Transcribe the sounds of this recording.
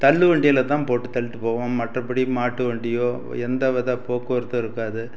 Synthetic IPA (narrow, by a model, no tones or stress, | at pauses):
t̪ɐɭːɯʋɐɳɖɪjɐlɐt̪ːãːpoːʈːɯt̪ːɐlɯt̪ːɯpoːʋɐmmɐʈrɐpːɐɽimaːʈːɯʋeːɳɖɪjoː | ɛnd̪ɐʋɐðaːpoːkːɐʋɪɾɯt̪ːɯɪɾɯkːaːðɯ